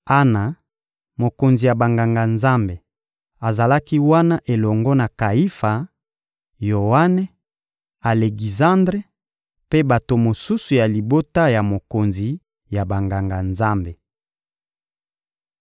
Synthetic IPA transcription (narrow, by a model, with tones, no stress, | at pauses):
a˦na˨ | mo˨ko˨nzi˨ja˨ba˨ŋɡa˨ŋɡa˨nza˦mbe˨ | a˨za˨la˦ki˦wa˦na˦ʔe˨lɔ˨ŋɡɔ˦na˨ka˨i˦fa˨ | jo˨wa˦nɛ˦ | a˨le˨ɡi˨zã˦ndʁe˦ | pe˦ba˨to˨mo˨su˦su˨ja˨li˨bo˦ta˦ja˨mo˨ko˨nzi˨ | ja˨ba˨ŋɡa˨ŋɡa˨nza˦mbe˨